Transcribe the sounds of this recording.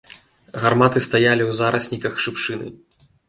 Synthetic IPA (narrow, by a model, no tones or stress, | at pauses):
ɣarmat̪ɨst̪ajalʲiwzaɾʔɐsʲnʲikɐxʂɨpʂɨnɨ̰